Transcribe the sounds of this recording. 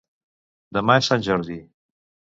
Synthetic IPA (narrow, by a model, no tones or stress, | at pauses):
d̪əmaesanʲʒəɾði